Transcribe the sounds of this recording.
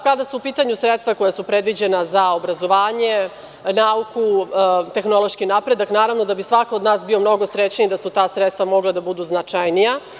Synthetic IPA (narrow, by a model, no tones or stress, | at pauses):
kad̪asuupiːt̪aɲusɾet̪st̪ʋako̞jasupɾed̪ʋid͡ʑenazaobɾazo̞ʋaːɲe̞ | naukut̪e̞xno̞lˠo̞ʃkinapɾed̪aknaːɾaʋno̞d̪abisʋakaod̪naːsbio̞mno̞ɡo̞sɾet͡ɕnid̪asut̪aːsɾet̪st̪vamo̞ɡlˠad̪abud̪uznat͡ʂajnija